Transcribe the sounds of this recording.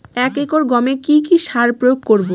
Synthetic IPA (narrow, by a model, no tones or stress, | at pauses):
ɛkekoɾɡɔmekikiʃaɾpɾojoɡ̚koɾbo